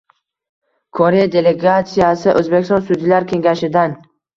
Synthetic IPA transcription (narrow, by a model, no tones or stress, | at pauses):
kʰoɾejad̪e̞le̞ɡat̪sijasɪʔɵzbekʲɪst̪ɒnsʊd̪ilaɾkʲʰe̞ŋɡʲaʃɪd̪an